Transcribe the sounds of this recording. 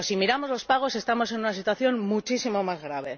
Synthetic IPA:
simiɾamo̞zlo̞spaɣ̞o̞se̞st̪amo̞se̞nunasit̪waθjo̞nmut͡ʃisimo̞mazɣɾaβe̞

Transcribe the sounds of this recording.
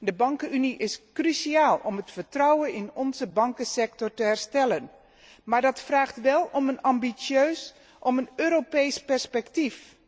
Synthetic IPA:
dəbɑŋkəyniʔɪskrysiaːlˠɔmətfərtrɔwənɪnɔnzəbɑŋkəsɛk̚tɔɹtəɦɛrstɛlən | maːɹdɑtfraːχtʋɛlˠɔmənɑmbisjøːs | ʔɔmənøːɾopejspɛɹspɛktif

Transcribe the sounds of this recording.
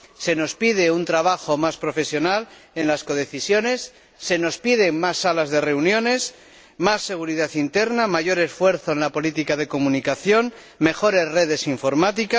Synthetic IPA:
se̞no̞spið̞e̞unt̪ɾaβ̞axo̞maspɾo̞fe̞sjo̞nale̞nlasko̞ðe̞θisjo̞ne̞sː | e̞no̞spið̞e̞ŋmasːalazðe̞re̞unjõ̞ne̞s | masːe̞ɣ̞uɾiðaθint̪e̞ɾnamaʝo̞ɾe̞sfwe̞ɾθo̞enlapo̞lit̪ikað̞e̞ko̞mũnikaθjo̞n | me̞xo̞ɾe̞sre̞ð̞e̞siɱfo̞ɾmat̪ika

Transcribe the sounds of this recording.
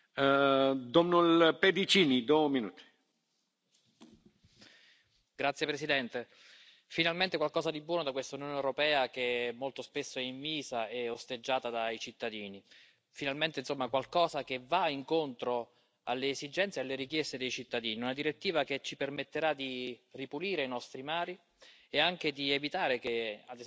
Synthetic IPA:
d̪ɔmnɔlped̪it͡ʃiːnid̪ominṵːt̪i̥ | ɡ̥ɾat̪sjepɾesid̪ɛnt̪e | finalment̪ekwalkɔːsad̪ibwɔːnod̪akwest̪aunjoːnewɾopɛːakemːolt̪ospesːoɛiɱviːzaeost̪ed͡ʒːaːt̪ad̪ait͡ʃit̪ːad̪iːni | finalment̪einsomːakwalkɔːzakevaiŋkont̪ɾo | alːeːzid͡ʒɛnt̪sjealːeɾik̟jest̪ed̪ejt͡ʃit̪ːad̪iːniunad̪iɾet̪ːiːvaket͡ʃːipermet̪ːeɾad̪iripuliːɾeinɔst̪ɾimaːɾi | eaŋk̟ed̪ievit̪aːɾek̟ead̪

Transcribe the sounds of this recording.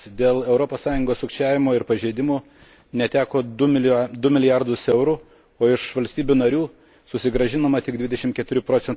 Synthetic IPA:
d̪ʲeːlˠɛʊɾopoːssɑːjʊŋɡoːsʊkʃʲt͡ʃʲæːʋʲɪmoːɪɾpɐʒʲeɪd̪ʲɪmoː | nʲɛt̪ʲæːkoː | d̪ʊmʲɪlʲɪjɑɾd̪ʊsɛʊɾuː | oːɪʃʋɐlʲsʲt̪ʲiːbʲuːnɐɾʲuː | sʊsʲɪɡɾɐʒʲɪnɐmɐt̪ʲɪɡ̚d̪ʲʋʲɪd̪ʲɛʃʲɪmt̪kʲɛt̪ʊɾʲupɾoːt̪ʲɛn

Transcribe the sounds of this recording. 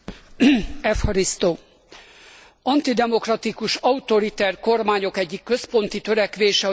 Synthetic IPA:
ɛfhɒɾist̪oː | ɒnt̪id̪ɛmo̞krɒt̪ikuʃɒut̪o̞ɾit̪ɛrko̞rmaːɲo̞kɛɟːikːø̞spo̞nt̪it̪ø̞ɾɛkʋeːʃɛɒ

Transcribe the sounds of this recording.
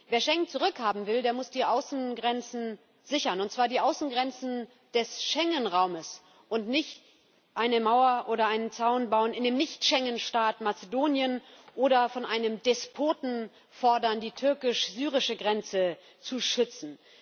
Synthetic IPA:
veːɐʃɛŋt͡suʁʏkhaːbm̩vɪldeːɐmʊsd̥iːʔaʊsn̩ɡʁɛnt͡sn̩ | zɪçɐnʊntt͡sv̥aːɐdiːʔaʊsn̩ɡʁɛnt͡sn̩ | d̥ɛsʃɛŋənʁaʊməs | ʔʊntnɪçt | ʔaɪnəmaʊɐʔoːɾɐʔaɪnənt͡saʊnbaʊnɪndeːmnɪçtʃɛŋənʃtaːtmat͡sedoːnjənʔoːɾɐfɔnʔaɪnəmd̥ɛspʰoːtn̩ | fɔɐdɐndiːtʰʏɐkɪʃz̥yːʁ̞ɪʃəɡʁɛnt͡sə | t͡suʃʏt͡sn̩

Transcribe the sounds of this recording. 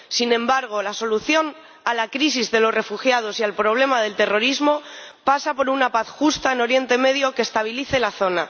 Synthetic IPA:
sinẽ̞mbaɾɣ̞o̞laso̞luθjo̞n | alakɾisizðe̞lo̞sre̞fuxjað̞o̞sialpɾo̞β̞le̞mað̞e̞lt̪e̞ro̞ɾizmo̞pasapo̞ɾunapaθxust̪aeno̞ɾje̞nt̪e̞me̞ðjo̞kest̪aβ̞iliθe̞laθo̞na

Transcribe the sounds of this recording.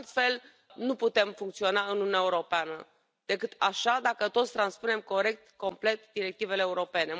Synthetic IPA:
lt̪fe̞l | nuput̪e̞mfuŋkt̪sio̞naɨnununʲaeuɾopeanə | d̪̥e̞kɨt̪aʃad̪akət̪ot̪sʲt̪ɾanspune̞mko̞ɾe̞k̚t̪ko̞mple̞t̪d̪iɾe̞k̚t̪ive̞leːuɾo̞pe̞ne̞

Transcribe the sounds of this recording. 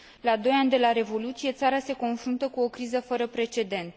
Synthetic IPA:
lad̪o̞janʲd̪e̞laɾe̞vo̞lut̪sije̞t̪saɾase̞ko̞nfɾunt̪əkuo̞kɾizəfəɾəpɾe̞t͡ʃe̞d̪e̞nt̪

